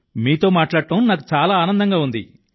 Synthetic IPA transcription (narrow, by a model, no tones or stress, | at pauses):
miːt̪o̞ːmaːʈlaːɽʈɐmnaːkut͡ʃaːlaːaːnɐnd̪ɐŋɡaːund̪ḭ